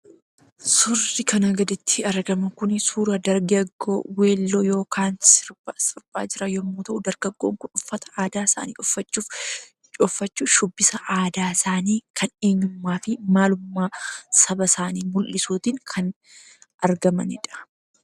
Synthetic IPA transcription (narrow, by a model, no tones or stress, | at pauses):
sʊrːɪkʰɐnɐɡɐd̪ɪt̪ʰːɪɐɾɡɐmɐkʊnsuːɾɐd̪ɐɾɡɐɡːo̰ːweːlːoːjo̞ːkʰaːnsɪɾsɪɾpʼa̰ːd͡ʒɪɾɐjɔmːuːt̪ɐʔʊd̪ɐɾɡɐɡːoːŋkʊnʊfːɐt̪ɐ̥ʔaːd̪aːsa̰ːnḭːʔɔfːɐt͡ʃːuːf | t͡ʃʼɔfːɐt͡ʃːuːfʃʊbːɪsɐʔaːd̪aːsaːniːkʰɐneːɲːʊmːaːfɪmaːlʊmːaːsɐbɐsaːniːmʊlːɪsuːt̪iŋkʰɐn | ʔɐɾɡɐmɐnɪᶑɐ̥